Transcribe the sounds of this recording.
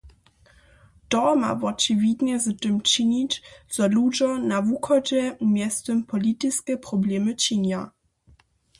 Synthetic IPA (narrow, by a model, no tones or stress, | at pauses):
tɔma̰vɔt͡ʂɨvʲjidɲɛzɨtɨmt͡ʂiɲit͡ɕt͡sɔlud͡ʒɔnavuxɔd͡ʑɛʔumʲjɛst̪ɛmpɔlʲit̪iskʲɛpɾɔblʲɛmɨt͡ɕiɲa